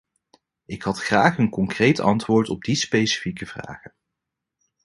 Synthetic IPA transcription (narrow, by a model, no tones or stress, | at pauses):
ɪkɦɑtχraːχənkɔŋkrejtɑ̰ntʋʊːɹtɔ̰b̚dispejsi̥fikəv̥ra̰ːχən